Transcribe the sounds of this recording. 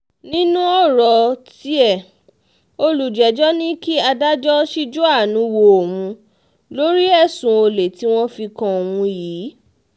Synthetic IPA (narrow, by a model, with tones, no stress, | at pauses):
nĩ˦nũ˦ɔ˦˨ɾɔ˨˧ti˦ɛ˦˨ | o˧lu˨d͡ʒɛ˨˦d͡ʒɔ˦nĩ˦ki˦a˧da˦d͡ʒɔ˦ʃi˦d͡ʒo˦a˦˨nũ˨˦wo˧o˨wũ˨˧ | lo˦ɾi˦ɛ˦˨sũ˨o˧le˨ti˨˦w̃ɔ̃˦fi˧kã˧˨wũ˧jiː˨˦